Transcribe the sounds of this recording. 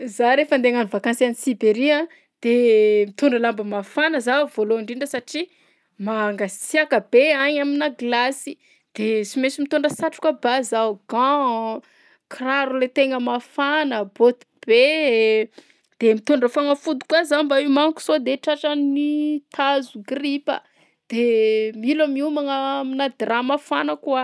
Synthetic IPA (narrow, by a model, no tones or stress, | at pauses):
zaɾefənd̪eŋanivakansianisibeɾiã | d̪̥emit̪uɳɖ͡ʐəlambəmafanəzav̥oloiɳɖ͡ʐiɳɖ͡ʐəsaʈ͡ʂi | maŋɡat͡siakəb̥eaɲaminaɡlasi | d̪̥et͡simesimit̪oɳɖ͡ʐəsaʈ͡ʂu̥kwabazawɡã | kraɾulet̪eŋəmafanəbot̪u̥b̥e | d̪̥emit̪oɳɖ͡ʐəfaŋəfud̪u̥kwazanmbaimaŋku̥sod̪eʈ͡ʂaʈ͡ʂanit̪ʰazuɡripə̰ | d̪̥emilamiumaŋaminad̪ramafanəkua